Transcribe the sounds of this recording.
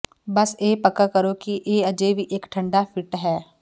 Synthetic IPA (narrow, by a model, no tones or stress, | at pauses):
bɐseːpəkakəɾokiʔeːɐd͡ʒebiʔeːkʈʰə̃ɳɖafʰɪʈɦɛː